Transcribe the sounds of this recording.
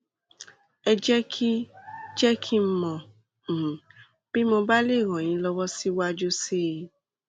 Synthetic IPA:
ɛ˧d͡ʒɛ˦kʰi˦d͡ʒɛ˦kʰi˦m̩˦mɔ̃˨ | b̥i˦mõ˧ba˦le˦˨ɾ̃ɔ̃˨j̃ĩ˨˦lɔ˧wɔ˦si˦wa˦d͡ʒo˦se˦˨

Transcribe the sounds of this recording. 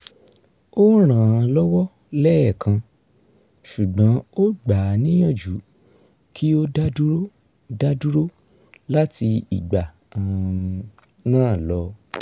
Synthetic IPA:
o˦ɾ̃ã˨ã˧lɔ˦wɔ˦ | lɛ˦ɛ˦˨kʰã˧ | ʃu˨ɡ͡bã˨˦o˦ɡ͡ba˨nĩ˦j̃ɔ̃˦˨d͡ʒu˨˦ | kʰi˦o˦da˦du˦ɾo˦ | da˦du˦ɾo˦ | la˦ti˧ḭ˨ɡ͡ba˨ | ã˨ | nãː˦˨lɔ˨˦

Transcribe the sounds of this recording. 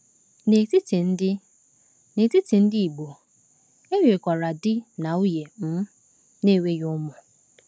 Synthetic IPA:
ne˨ti˦ti˨n̩˦dɪ˦ | ne˨ti˦ti˨n̩˦dɪ˦i˨ɡ͡bo˨ | e˦we˨kʷa˨ɾa˨dɪ˦na˨u˦je˨m̩˦ | ne˦˨we˦jʊ˦mɔ˨

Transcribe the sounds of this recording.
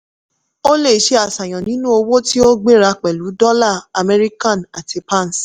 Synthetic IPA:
o˦le˦˨ʃe˧˦a˨sa˨j̃ɔ̃˨nĩ˨˦nũ˦o˧wo˦ti˦o˦ɡ͡be˦ɾa˧k͡pɛ˨lu˨˦dɔ˦la˦˨a˨mɛ˧ɾi˦kã˦˨na˨ti˧pa˦n̩˨s

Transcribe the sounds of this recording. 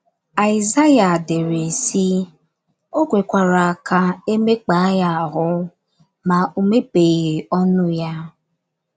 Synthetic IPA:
a˨ɪ˨za˦ja˨de˨ɾe˨si˦ | o˦ɡʷe˨kʷa˨ɾa˨a˨ka˨e˦me˦k͡pa˨a˦ja˨a˨ɦʊ˦ | ma˨u˨me˦pe˨ɣe˨ɔ˦nʊ˦ja˦

